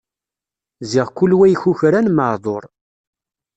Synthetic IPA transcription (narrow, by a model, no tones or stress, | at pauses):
ziʁkʊlːwæjçuçɾænməʕðˤoɾˤ